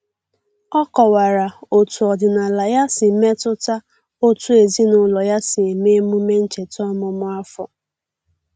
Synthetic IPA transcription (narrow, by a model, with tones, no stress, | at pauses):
ɔ˦kɔ˨wa˨ɾa˨o˨tu˨ɔ˨dɪ˨na˨la˨ja˦sɪ˨me˦tʊ˦ta˦ | o˦tu˦e˨zi˦nʊ˨lɔ˨ja˦sɪ˨e˨me˦mu˦me˦n̩˦t͡ʃe˨tɔ˦mʊ˨mʊ˦a˦fɔ˨